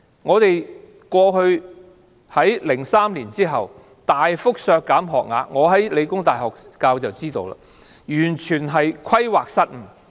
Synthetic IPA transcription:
ŋɔː˨˧t̪e˨j | kʷɔː˧hɵ˧ɥ | hɐ˨˥jlɪ˨˩ŋsaː˥mliː˨˩nt͡siː˥ɦɐ˨w | t̪aː˨jfʊ˥k̚sœː˧kːaː˨˥mɦɔː˨k̚ŋaː˨˧ŋɔː˨˧ɦɐ˨˥jle˨˧jkʊ˥ŋt̪aː˨jɦɔː˨k̚kaː˧wt͡sɐ˨wt͡siː˥t̪o̰˧wla̰ː˧˥ | jyː˨˩nt͡ʃʰyː˨˩nɦɐ˨jkʷʰɐ˥jwaː˨k̚sɐ˥t̚m̩˨˩

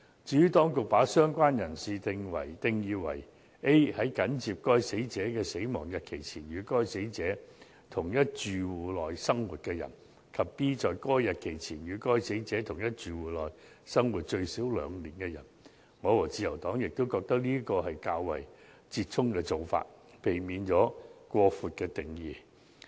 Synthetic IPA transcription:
t͡siː˨˧y˥t̪ɔː˥ŋkʊ˨k̚paː˨˥sœː˥ŋkʷwaː˥njɐ˨˩nsiː˨t̪ɪ˨ŋwɐ̰˨˩jt̪ɪ˨ŋjiː˨˧wɐ̰˨˩j | ʔe˥jhɐ˨˥jkɐ˨˥nt͡siː˨p̚kɔː˥jse˨˥jt͡sɛː˨˥kɛː˧se˨˥jmɔː˨˩ŋjɐ˨t̚kʰe˨˩jt͡sʰiː˨˩njyː˨˧kɔː˥jse˨˥jt͡sɛː˨˥ | t̪ʰʊ˨˩ŋjɐ˥t̚t͡ʃyː˨wuː˨˩lɔː˨jsɐ˥ŋwuː˨t̚kɛː˧jɐ̰˨˩n | kʰɐ˨p̚piː˥t͡sɔː˨jkɔː˥jɐ˨t̚kʰe˨˩jt͡sʰiː˨˩njyː˨˧kɔː˥jse˨˥jt͡sɛː˨˥t̪ʰʊ˨˩ŋjɐ˥t̚t͡ʃyː˨wuː˨˧lɔː˨j | sɐ˥ŋwuː˨˩t̚t͡ʃɵ˧ɥsiː˨˥wlœː˨˧ŋliː˨˩nkɛ˧jɐ̰˨˩n | ŋɔː˨˧wɔː˨˩t͡siː˧jɐ˨˩wt̪ɔː˨˥ŋjɪ˨k̚t̪o˥wkɔː˧k̚t̪ɐ˥k̚liː˥kɔː˧hɐ˨jkaː˧wwɐ̰˨˩j | t͡siː˧t̚t͡sʰʊ˥ŋkɛː˧t͡so˨wfa̰ː˧t̚ | pe˨jmiː˨˧nt͡ʃɔː˨˥kʷɔː˧fuː˨t̚kɛː˧t̪ɪ˨˩ŋjiː˨˧

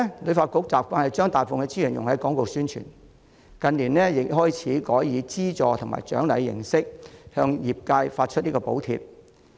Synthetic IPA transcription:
lɵ˨˧ɥfaː˧t̚kʊ˨˥k̚t͡saː˨p̚kʷaː˧˥nhɐ˨jt͡ʃœː˥ŋt̪aː˨jfʊ˨ŋkɛ˧t͡siː˥jɐ˨˩njʊ˨˩ŋhɐ˨˥jkɔː˨˥ŋkʊ˨˩k̚syː˥nt͡ʃʰy̰ː˨˩n | kɐ˨˧nliː˨˩nlɛː˥jɪ˨ɦɔː˥jt͡sʰiː˨˥kɔː˨˥jjiː˨˧t͡siː˥t͡sɔː˨˧t̪ʰʊ˨˩ŋma̰ː˨˩jt͡ʃœ̰ː˨˥ŋlɐ˨˧jːɪ̰˨˩ŋsɪ˥k̚hœː˧ŋjiː˨˩p̚kaː˧jfaː˧t̚t͡ʃʰɵ˥t̚liː˥kɔː˧po˨˥wt̪ʰḭ˧p̚

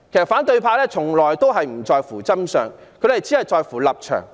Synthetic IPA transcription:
kʰe˨˩sɐ˨t̚faː˨˥nt̪ɵ˧ɥpʰaː˧lɛː˥t͡sʰʊ˨˩ŋlɔː˨jt̪o˥wɦɐ˨jm̩˨˩t͡sɔː˧jfuː˨˩t͡sɐ˥msœː˨ŋ | kʰɵ˨˧ɥlɐ˨˩t͡siː˨˥hɐ˨jt͡sɔː˧jfuː˨˩lɐ˨p̚t͡ʃʰœ̰ː˨˩ŋ

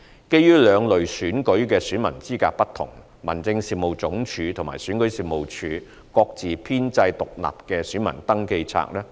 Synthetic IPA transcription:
ke˥jːyː˥lœː˨˧ŋlɵ˨ɥsyː˨˥nkɵ˨˥kɛː˧syː˨˥nmɐ˨˩nt͡siː˥kaː˧k̚pɐ˥t̪ʰʊ̰˨˩ŋ | mɐ̰˨˩nt͡sɪ˧ŋsiː˨p̚mo˨˩wt͡sʊ˨˥ŋt͡ʃʰyː˨˧t̪ʰʊ˨˩ŋmaː˨˩syː˨˥nkɵ˨˥ɥsiː˨p̚mo˨˩wt͡ʃʰyː˨˧˥ | kɔː˧k̚t͡siː˨pʰiː˥nt͡sɐ˧jt̪ʊ˨k̚la̰ː˨p̚kɛː˧syː˨˥nmɐ˨˩nt̪ɐ˥ŋke˧jt͡sʰa̰ː˧k̚lɛː˥

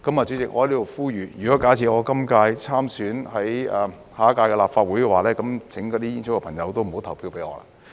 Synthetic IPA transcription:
kɐ˥maː˨˩t͡ʃy˨˥t͡sɪ˨k̚ɔ̰˨˧hjliː˦˥t̪o˨˧wfuː˥jyː˨˧jyː˨˩kɔ˨˥kaː˨˥t͡sʰiː˨˩ɔː˨˧kɐ˥mkaː˧jt͡sʰaː˥msyː˨˥nhɐ˨˥jɛ˨˧ | haː˨˥kaː˧jkɛː˧laː˨pfaː˧t̚wuː˨˥jkɛ˧waː˨lɛː˦˥kɐ˨˥mt͡sʰɪ˨˥ŋkɔː˧t̪iː˥iː˥nsʰʊ˨˥kɛ˧pʰɐ˨˩ŋjɐ˨˧wt̪o˥wm̩˨˩ho˨˥wt̪ʰɐ˨˩wpʰiː˧wpe˨˥jŋɔ̰ː˨˧la̰˧

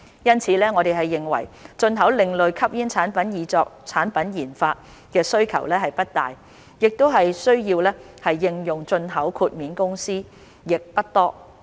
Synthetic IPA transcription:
jɐ˥nt͡sʰiː˨˧˥lɛː˥ŋɔ˨˧ɾe˨jɦɐ˨jːɪ˨ŋwɐ̰˨˩jt͡ʃɵ˧nɦɐ˨˥wlɪ˨ŋlɵ˨ɥkʰɐ˥p̚jiː˥nt͡sʰaː˨˥npɐ˨˥njiː˨˥t͡sɔː˧k̚t͡sʰaː˨˥npɐ˨˥njiː˨˩nfaː˧t̚ | kɛː˧sɵ˥ɥkʰɐ̰˨˩wlɛː˥ɦɐ˨jpɐ˥t̚t̪a̰ː˨j | jɪ˨k̚t̪o˥wɦɐ˨jsɵ˥ɥjiː˧wlɛː˥ | hɐ˨jːɪ˧ŋjʊ˨˩ŋt͡sɵ˧nɦɐ˨˥wkʰuː˧t̚miː˨˥nkʊ˥ŋsiː˥ | jɪ˨k̚pɐ˥t̚t̪ɔː˥

